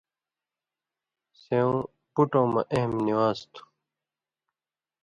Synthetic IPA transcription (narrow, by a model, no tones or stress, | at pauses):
sẽːõː | puʈõːmɐ̰ʔeɦmniwaːst̪ʰu̥